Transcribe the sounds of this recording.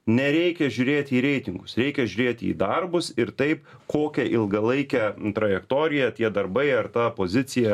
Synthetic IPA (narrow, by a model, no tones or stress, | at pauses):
nʲɛɾʲɛɪkʲɛʒʲuːɾʲeːt̪ʲiːɾʲɛɪt̪ʲɪŋɡʊsɾʲɛɪkʲɛʒʲʉɾʲeːt̪ʲḭːd̪ɐrbʊsɪɾt̪ɐɪp | koːkʲɛʔɪlˠɡɐlˠɐɪkʲɛt̪ɾɐjɛkt̪oːɾʲɪjɛt̪ʲiɛd̪ɐɾbɐɪɐɾt̪ɑːpoːzʲɪt͡s̪ʲɪjɛ